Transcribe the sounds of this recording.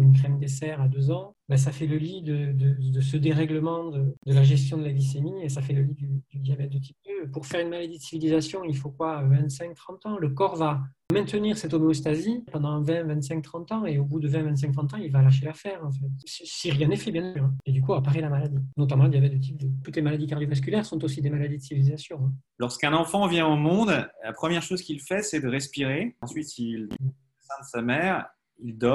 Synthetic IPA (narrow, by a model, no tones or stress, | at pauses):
mynkχɛmd̪esɛʁad̪øzɑ̃ | bɛs̬afɛləlid̪əd̪əd̪əsəd̪eʁɛɡləmɑ̃d̪əd̪əlaʒɛst̪jɔ̃d̪əlaɡlis̬emiesafɛləlid̪yd̪yd̪jabɛt̪̚d̪ət̪ʰip̚d̪øpuʁfɛʁynmalad̪id̪əsivilizasjɔ̃ilfokwavɛ̃nt̪sɛ̃ŋk̚t̪χɑ̃t̪ɑ̃ləkɔʁvamɛ̃t̪əniʁsɛt̪ɔmeost̪azipɑ̃d̪ɑ̃vɛ̃vɛ̃nt̪sɛ̃ŋk̚t̪χɑ̃t̪ɑ̃eobud̪əvɛ̃vɛ̃t̪s̬ɛ̃kt̪χʰɑ̃t̪ɑ̃ilvalaʃ̬elafɛʁɑ̃fɛt̪sisiʁjɛ̃nefɛbjɛ̃nsyʁɛ̃ed̪ykuapaʁelamalad̪inɔt̪̬amɑ̃iljavɛd̪et̪̬ip̚d̪ət̪ut̪lemalad̪ikaʁd̪jovas̬kʲylɛʁsɔ̃t̪osid̪emalad̪id̪əsivilizasjɔ̃ɛ̃lɔʁskɛ̃nɑ̃fɑ̃vjɛ̃omɔ̃d̪la̰pχəmjɛʁʃozkʲilfɛsɛd̪əʁɛspiʁeɑ̃sɥit̪il | ɛsɛ̃d̪əsamɛːʁ | ild̪ɔ